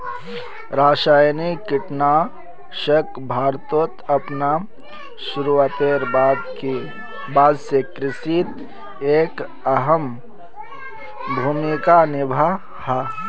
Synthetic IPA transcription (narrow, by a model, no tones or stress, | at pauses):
ɾaːʃaːjnikɪʈna | ʃək | bʱaːɾt̪oːt̪ɐpna | ʃʊɾuaːt̪eːɾbaːd̪ki | baːd̪sekɾɪsit̪ | eːk | əɦəm | bʱuːmikanɪbʱa | ha